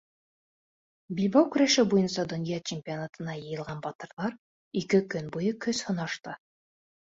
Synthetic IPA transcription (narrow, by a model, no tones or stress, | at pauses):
bilβɑwkɵ̆ɾæʃɘbujɤnsɑd̪ŏnjɑt͡ɕɪmʲpʲionat̪ɤ̆nɑjɤ̆jɤ̆lˠʁɑnbɑt̪ɤ̆ɾðɑɾ | ikɘkɵnbujɤkɵshŏnɑʃt̪ɤ